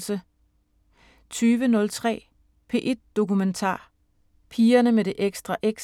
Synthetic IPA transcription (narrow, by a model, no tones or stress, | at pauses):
sə | t͡sʰyːʋənɔ̽lt͡sʰʁɛ̰ː | pʰe̝̰ːʔe̝d̥o̝kument͡sʰɑ̰̈ː | pʰiːɐnəmeɾ̥e̝ʔeɡ̥sd̥ʁɑʔeɡ̥s